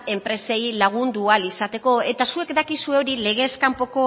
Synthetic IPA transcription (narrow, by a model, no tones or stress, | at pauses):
e̞mpɾe̞se̞jlaɣ̞und̪ualisat̪e̞ko̞e̞t̪asue̞kd̪akisue̞o̞ɾile̞ɣ̞e̞skampo̞ko̞